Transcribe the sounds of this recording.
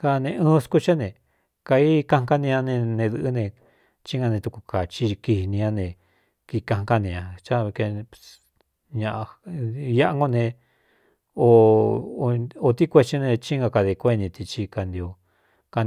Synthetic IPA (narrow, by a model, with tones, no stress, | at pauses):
ka˧nẽ˧ɨ̃ː˦˧sku˦t͡ʃa˦nẽ˧˨ | ka˧i˦kã˧ŋ˦ka˦nĩ˧ã˧nẽ˧nẽ˧ðɨ˧ʔnẽ˧ | t͡ʃi˦ŋɡa˧nẽ˧t̪u˧ku˧ka˨t͡ʃi˧ki˧hi˧nĩ˧ã˧nẽ˧ | ki˧kã˧ŋ˧ka˦nĩ˧ã˧t͡ʃa˦˧βke˧ | ɲã˧ʔa˧ja˦a˧ŋɡo˦nẽ˧ | o˧ | o˧t̪i˦kʷe˧t͡ʃi˧nẽ˧t͡ʃi˦ŋa˧ka˧ði˧kʷe˦nĩ˧t̪i˧t͡ʃi˧ka˧nd̪i˧o˧ | ka˧n˧